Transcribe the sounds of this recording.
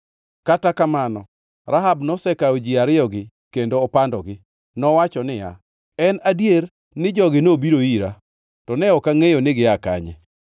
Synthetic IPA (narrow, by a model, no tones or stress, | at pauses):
katakamanɔ | ɾaɦabnɔsɛkaod͡ʒiaɾɪɔɡɪ | kendoːpandɔɡɪ | nɔwat͡ʃɔnɪja̰ | ɛnadjer | nɪd͡ʒɔɡɪnobiɾoiɾa | tɔnɛɔkaŋejonɪɡɪaka̰ɲɛ̰